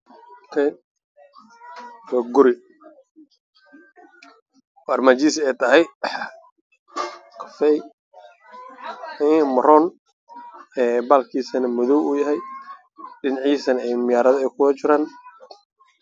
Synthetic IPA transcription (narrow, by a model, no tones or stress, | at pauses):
t̪ʰɛ | ɔɡʊɾɪ | waːrmaːt͡ʃiːsɛjt̪ʰɐɦɛj | kʰɐ̥fɛj | mɐɾɔːn | ɛːbaːlkʰiːsɐnɐmʊðɔwuːjɐɦɛj | ɖɪnɐʕiːsɐnɐɛjmɪjaːɾɐðɐɛjkʰʊwɐt͡ʃɪɾaːn